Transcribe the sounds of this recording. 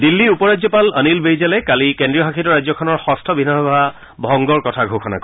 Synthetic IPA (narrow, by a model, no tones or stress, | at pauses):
dilːiupɔɹazɔpalənilbejzalɛkalikendɹiɔɦakʰitɔɹazɔkʰɔnɔɹxɔstʰɔbʱinaɦɔba | bʱɔŋɡɔɹkɔtʰaɡʱokʰɔna̰k